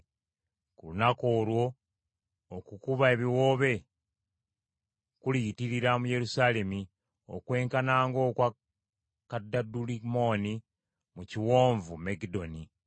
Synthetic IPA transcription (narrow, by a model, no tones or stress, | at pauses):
kulunako̞ːlwo̞ː | kukuβae̞βiwo̞ːβe̞ | kulitiɾiɾamuje̞ɾusale̞mi | o̞̰kwe̞ːŋkanaːŋɡo̞kwa | kadːadulimo̞ni | muciwo̞ːɱvumeɡido̞ni